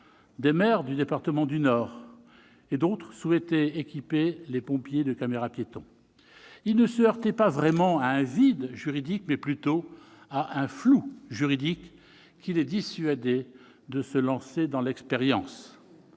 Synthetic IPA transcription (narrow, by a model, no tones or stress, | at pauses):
d̪emɛʁd̪yd̪epaʁt̪əmɑ̃d̪ynɔːʁ | ed̪ot̪χəswɛt̪ɛekʲipelepɔ̃pjed̪əkameʁapjet̪ɔ̰̃ | ilnəsəaʁt̪ɛpavʁɛmɑ̃aɛ̃vid̪ʒyʁid̪ik̚mɛplyt̪o | aʔɛ̃fluʒyʁid̪ikː | ilɛd̪isɥad̪e | d̪əsəlɑ̃sed̪ɑ̃lɛkspeʁjɑ̃s